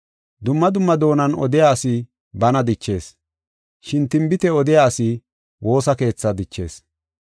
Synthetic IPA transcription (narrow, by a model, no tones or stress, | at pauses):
d̪ʊmːɐd̪ʊmːɐd̪o̞ːnɐnɔ̰d̪ɪjaːsɪ | bɐnɐd̪ɪt͡ʃːe̞̰ːs | ʃɪnt̪ɪmbɪt̪ɛɔd̪ɪjaːsɪ | wʔo̞ːsɐke̞ːt͡sːɐd̪ɪt͡ʃːe̞̰ːs